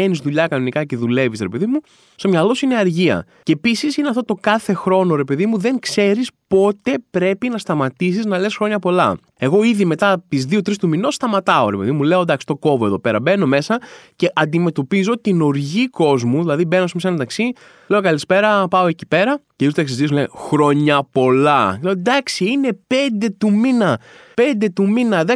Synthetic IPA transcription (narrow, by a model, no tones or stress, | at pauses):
enizðuʎɐkɐno̞nikɐce̞ðule̞visɾepe̞ðimu | st̪o̞mɲɐlo̞suineɐɾʝiɐ̰ | cepisisineɐft̪ot̪o̞kɐθe̞xɾo̞no̞ɾe̞pe̞ðimuðe̞ŋkse̞ɾispo̞t̪e̞pɾe̞pinɐst̪ɐmɐt̪is̬iznɐle̞sxɾo̞ɲɐpo̞lɐ̰ | e̞ɣo̞iðime̞t̪ɐt̪izðio̞t̪ɾist̪umino̞st̪ɐmɐt̪ɐoɾe̞pe̞̰ðimule̞o̞d̪ɐksi̥st̪o̞ko̞voe̞ðo̞pe̞ɾɐbe̞no̞me̞sɐce̞ʔɐnd̪ime̞t̪o̞pizo̞t̪ino̞ɾʝiko̞zmuðilɐðibe̞nosmis̬end̪ɐksi | le̞o̞kɐlispe̞ɾɐpɐo̞e̞ci̥pe̞ɾɐceizt̪esizisulexɾo̞ɲɐpo̞lɐleod̪ɐksiine̞pe̞nd̪e̞t̪uminɐpe̞nd̪e̞t̪uminɐðe